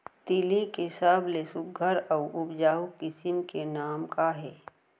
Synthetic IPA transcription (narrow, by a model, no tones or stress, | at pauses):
t̪ilikesəblesʊɡʱəɾɐʊʊpd͡ʒaːukɪsɪmkenaːmkaɦɛː